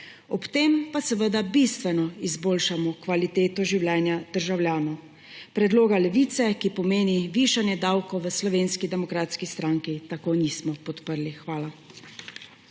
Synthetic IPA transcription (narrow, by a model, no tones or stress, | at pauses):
ɔpt̪eːmpasɛʋəd̪abist̪ʋɛnɔizboːlʃamɔkʋalit̪eːt̪ɔʒiwljɛːnjad̪̥əɾʒawlʲjaːnɔw | pɾɛd̪loːɡalɛʋiːt̪sɛkipɔmeːniʋiʃanjɛd̪aːwkɔwʋəslɔʋeːnskid̪ɛmɔkɾaːt̪skist̪ɾaːŋkit̪akoniːsmɔpɔt̪pəɾlixʋaːla